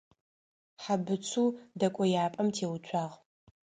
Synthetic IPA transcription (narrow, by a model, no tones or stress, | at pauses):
ħabɨt͡sʷʰuːdɐkʷʼɔjaːpʼɐmtʰeːwʊt͡ʃʷʰaːʁ